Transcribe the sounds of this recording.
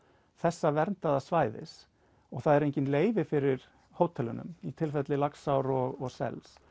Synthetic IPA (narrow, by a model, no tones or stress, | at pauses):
θɛsːavɛɾnt̪aðasvaːjðɪ̰s | ɔɣθaðɛɾejɲcɪnleːjvɪfɪɾɪɾ̥ | hoːwt̪ʰɛlʏnʏ̰mit̪ʰɪlfɛt̪lɪlaksawɾɔɣɔsɛ̰ls